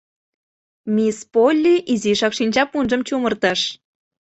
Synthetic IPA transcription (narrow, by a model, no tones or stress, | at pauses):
mʲispolʲːiʔiziʃɑkʃinʲt͡ɕɑpunʒə̆mt͡ɕumərt̪əʃ